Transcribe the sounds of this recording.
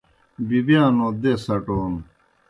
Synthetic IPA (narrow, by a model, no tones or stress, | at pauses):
bibijãːnod̪esɐʈoːn